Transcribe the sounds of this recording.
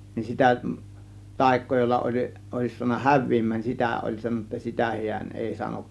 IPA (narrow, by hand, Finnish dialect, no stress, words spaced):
nin sitæ tɑˑe̝kˑoː jolːɑ olʲ oˑe̝s suɑnˑɑ hæʋˑiːmˑæːn nin sitæˑ ʔolʲ sɑnonˑɑ sitæ hi̞æn eˑi sɑnok